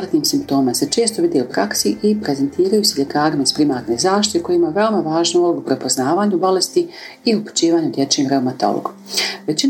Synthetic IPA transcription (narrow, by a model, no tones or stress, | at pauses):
ɾat̪niːmsimpt̪o̞ːmase̞t͡ʃe̞ːst̪o̞ʋid̪eupɾaksiʔipɾe̞ze̞nt̪iːɾajuse̞ʎe̞kaːɾimaizpɾimaːɾneːzaːʃt̪it̪eko̞jeimaʋe̞omaʋaːʒnooɡupɾe̞po̞znaːʋaːɲubo̞le̞st̪iiupu̥t͡ʃiːʋaːɲud̪je̞t͡ʃemɾe̞wmat̪o̞̰lo̰ɡ̥uʋe̞t͡ɕin